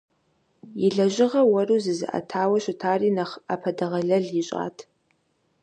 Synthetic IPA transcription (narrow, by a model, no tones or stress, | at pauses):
jɪɮɐʑɪʁɐwɐruːzɨzɨʔɐ̰tʰaːwɐɕɪtʰaːriːnɐχapʰɐdɐʁɐɮɐɮiɕʼa̰ːtʰ